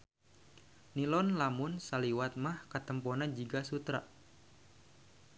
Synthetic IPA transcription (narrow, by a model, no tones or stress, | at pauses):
nilɔnlamʊnsaliwat̪̚mahkat̪əmpɔnad͡ʒiɡasut̪ɾa̰ʔ